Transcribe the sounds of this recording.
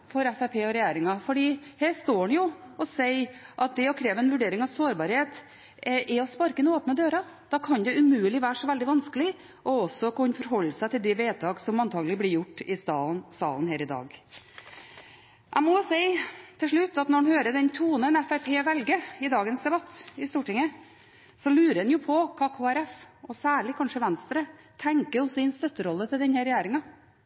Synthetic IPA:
fɔɾɛfæpʰeːɔɾɛjæːɾɪŋɑfɔɖiːheːʂt̪oːɳjʊɔseɪʔɑt̪̚d̪ɛɔkʰɾeːʋɛnʋʉɖeːɾɪŋɑʋsoːɾbɑɾheːt̪ | ʔɛɔspɑɾkənoːpnəd̪øːɾɑ | d̪̥ɑkʰɑnd̪ɛʉmʉːəlɪʋæːʂɔʋɛld̪ɪʋɑnskəlɪ | ʔɔɔsːɔkʉnfɔɾɦɔlːəsæɪt̪ʰɪld̪ɛʋeːt̪ʰɑːɡsɔmɑnt̪ʰɑːɡlɪblɪɾjʊʈːɪsɑsɑ̰ːlnɦeːɾɪd̪ɑ̰ːɡ | ʔæmɔsɛɪt̪ʰɪlʂɭʉt̪ːɑt̪nɔɖnhøːɾəd̪ɛnt̪ʰuːnənɛfæɾpʰeːʋɛlɡəɪd̪ɑːɡənsd̪ɛbɑt̪ːɪst̪uːʈɪŋːə | sɔlʉːɾəɛnjʊpʰɔkʰɑkʰuːæɾɛfɔsæːɭɪkʰɑnʂəʋɛnst̪ɾə | t̪ʰæŋkəɾɔsɔɪnst̪œt̪ːəɾɔlːət̪ʰɪld̪ɛnhɛɾɛjæːɾɪŋɑ

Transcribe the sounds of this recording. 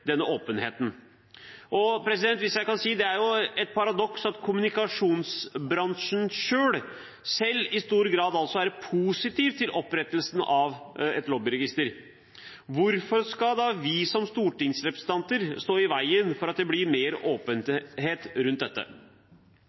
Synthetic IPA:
d̪ɛnːəoːpənɦeːt̪n̩ | ʔɔpʰɾɛs̬ɪd̪ɛnt̪ʋɪsjæɪkɑnsiːd̪ɛæɾjʊɛt̪̚pʰɑɾɑd̪ɔksɑt̪kʰʊmʉnɪkɑʂuːnsbɾɑŋʂənʂøːɭ | sɛlːɪst̪uːɾɡɾɑːd̪ɑlsɔʋæːɾəpʰusɪt̪iːʋt̪ʰɪlʔɔpɾɛt̪ːəlsn̩ɑʋɛt̪lɔːbɪɾɛɡɪst̪əɾ | ʋʊɾfɔɾʂkɑd̪ɑʋɪsɔmst̪uːʈɪŋsɾɛpɾəsn̩t̪ɑnt̪əɾst̪oːɪʋæɪənfɔɾɑt̪̚d̪ɛblɪɾmeːɾoːpənɦeːt̪ɾʉnt̪̚d̪ɛt̪ːə̰

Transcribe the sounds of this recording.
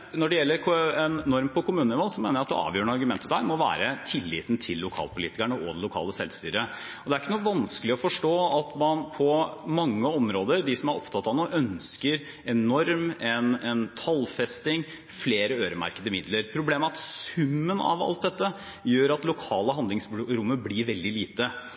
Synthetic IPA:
nɔɖɛjɛlːəɾkɛnːɔɾmpʰɔkʰʊmʉːnnɪʋoːlsɔmeːnəjæɑt̪ɛ̰ɑ̰ːʋjøːɳəɑɾɡʉmɛnt̪ʰːəd̪æːɾmɔʋæ̰ːɾət̪ʰɪlːḭːt̪n̩t̪ʰɪlːʊkʰɑ̰ːlpʰʊlḭːt̪ɪkæɳəʔɔd̪ɛlʊkʰɑ̰ːləsɛlst̪yːɾə | ɔd̪ɛæɾɪkːənuːəʋɑnskəlɪɔfɔʂʈoːɑt̪mɑnpʰɔmɑŋːəɔmɾoːd̪əɾd̪ɪsɔmɑɾʔɔ̰pt̪ʰɑt̪ːɑʋnuːʔœnskəɾ | ɛnɔɾmɛnɛnt̪ʰɑlfɛst̪ɪŋ | fleːɾəøːɾəmæ̰ɾkəd̪əmɪd̪ləɾpʰɾʊbleːmæɾɑt̪sʉmːənɑ̰ʋɑ̰lt̪̚d̪ɛt̪ːə | jøːɾɑt̪lʊkʰɑːləɦɑnd̪ɪŋsbɾʊmːəblɪɾʋɛld̪ɪliːt̪ə

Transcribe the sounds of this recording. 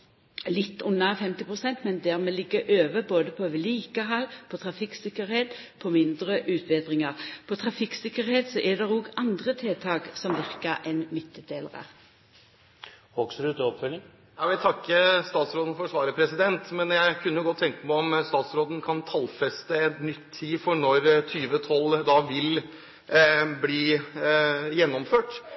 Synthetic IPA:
lɪt̪ːʊnːɑfɛmt̪ɪpʁʊsɛnt̪mɛnd̪æʁmeːlɪɡːəʔøːʋəboːd̪əpʰɔʋliːkəɦɑlpʰɔt̪ʰʁɑfɪksɪkəɾheːt̪ | pʰɔmɪnd̪ʁəʔʉːt̪ʰʋed̪ʁɪŋəʁpʰɔt̪ʰʁɑfɪksɪkəɾheːt̪sɔʔɛd̪ɛʁuɡɑnd̪ʁət̪ʰeːt̪ʰɑːɡsɔmʋɪʁkəɾɛnmʏt̪ːəd̪eːlə̰ʁə̰ | hoksɾʉt̪əɔpfœlːɪŋ | jɑʋɪt̪ʰɑkːəst̪ɑːt̪sɾoːd̪n̩fɔɾʂʋɑːɾəpʰɾɛsɪd̪ɛnt̪mɛnjæɪkʰʉnːəjʊɡɔt̪ʰːɛŋkəmæɔmst̪ɑːt̪sɾoːd̪ən̩kʰɑnt̪ʰɑlfɛst̪əɛt̪nʏt̪ʰːiːfɔɳɔɾt̪ʰyːʋət̪ʰɔld̪ɑːʋɪl | bliː | jɛnːɔmføːʈ

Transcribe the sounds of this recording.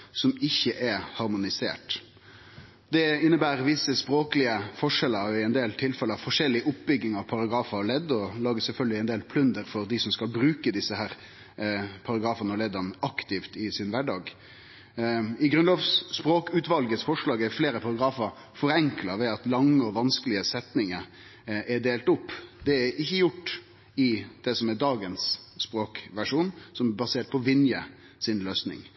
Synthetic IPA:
sɔmɪçːəʔɛhɑɾmʊnɪsḛːʈ | d̪ɛɪnːəbæːɾʋɪsːəspɾoːkəlɪəfɔʂɛlːəɪɛnd̪eːlt̪ʰɪlfɛlːəɑʋfɔʂɛlːɪəʔʊp̚ːbʏɡnɪŋɑʋpʰɑɾɑɡɾɑːfɑɭɛd̪ːɔlɑːɡəsɛlfœlɡəlɪɛɪnd̪eːlpʰlʉnd̪əɾfɔɾd̪ɪsɔmskɑlbɾʉːkəd̪ɪsːəhæːɾ | pʰɑɾɑɡɾɑːfənəɔlɛd̪ɑnəɑkt̪ɪft̪ɪsɪnʋæɖɑːɡ | ɪɡɾʉnloʋsspɾoːkʉːt̪ʋɑlɡəsfɔʂlɑːɡæfleːɾəpʰɑɾɑɡɾɑːfəɾ | fɔɾɛŋklɑʋɛɑt̪lɑŋːəɔʋɑnskəlɪəsɛt̪nɪŋə | ɛɖeːlt̪ʊpːd̪̥ɛæɾɪçːəjʊʈː | ɪd̪̥ɛsɔmɛɖɑːɡənsːpɾoːkʋæʂuːnsɔmɛbɑseːʈ̪̚pʰɔʋɪnjə | sɪnløːsnɪ̰ŋ

